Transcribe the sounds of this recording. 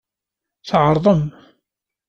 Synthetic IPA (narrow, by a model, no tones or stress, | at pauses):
θʕɑɾˤðˤəm